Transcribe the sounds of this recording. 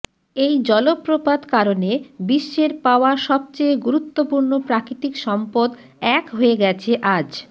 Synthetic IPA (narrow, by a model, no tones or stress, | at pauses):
ejd͡ʑɔlopːɾopad̪kaɾonebiʃːeɾpaoaʃɔb̚t͡ɕejɡuɾut̪ːopuɾnopɾakɾit̪ikʃɔmpod̪ | ɛkɦoeɡɛt͡ɕʰeʔad͡ʑ